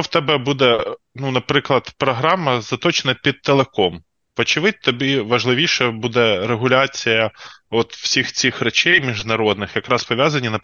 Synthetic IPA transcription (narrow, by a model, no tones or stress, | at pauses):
ɔwt̪ɛbɛbud̪ɛ | nunɐpɾɪklˠɐd̪pɾɔɦɾɑmɐzɐt̪ɔt͡ʃenɐpʲid̪̚t̪ːelˠekɔm | ʋɔt͡ʃɪʋɪd̚ʲt̪ɔbʲiʋɐʒlˠɪʋʲiʃɛbud̪ɛɾeɦʊlʲat͡sʲijɐɔt̪w̥sʲixt͡sʲixrɛt͡ʃɛjmʲiʒnɐɾɔd̪nɪxjɐkɾɑspɔʋʲjazɐnʲːinɐ